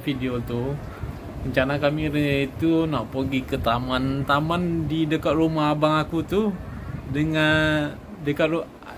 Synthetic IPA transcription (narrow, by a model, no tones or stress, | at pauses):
fidiot̪u | məɲt͡ʃanakamiɾəit̪unaʔpəɡikət̪amãnt̪amandidəkat̪̚rumaɦabaŋakut̪udəŋa | dəkat̪̚u